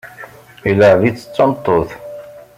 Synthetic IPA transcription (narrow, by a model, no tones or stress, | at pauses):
iləʕvit͡sːə̥t͡sːɑnt̪ˤːoθ